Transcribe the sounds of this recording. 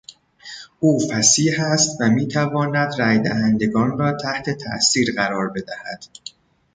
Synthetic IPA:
ʔuːfæsiːhæst̪væmiːt̪ʰævɒːnæd̪ræːjd̪æhænd̪e̞ɡɒːnrɒːt̪ʰæht̪ʰe̞t̪ʰæ̰ʔsiːɾɢæɾɒːɾbe̞d̪æhæd̪̥

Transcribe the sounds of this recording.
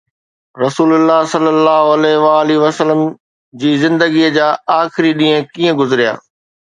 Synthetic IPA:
ɾɐsuːlʊlːaːɦsɐlːəlːaːɦoɐlɛːɦʋaːliʋɐsələm | d͡ʑiːzɪ̃nd̪əɡiəd͡ʑaːaːxɪɾiɗĩːə̃kiːə̃ɡʊzɾija̰ː

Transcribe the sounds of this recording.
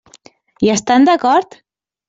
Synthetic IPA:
iəst̪and̪akɔɾt̪

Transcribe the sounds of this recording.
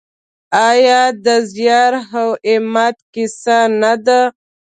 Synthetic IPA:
ajɑd̪əzjɑɾɦawemat̪kɪsanad̪a

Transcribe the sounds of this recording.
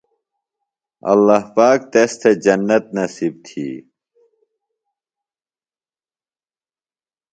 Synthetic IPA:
ɐ̰lːaɦpaːk̚t̪est̪ʰed͡ʑɐnːɐt̪̚nɐsib̚t̪ʰḭː

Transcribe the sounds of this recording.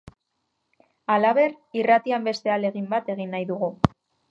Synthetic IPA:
alaβe̞r | irat̪iambe̞st̪e̞ale̞ɣimbat̪e̞ɣ̞inːajðuɣ̞u

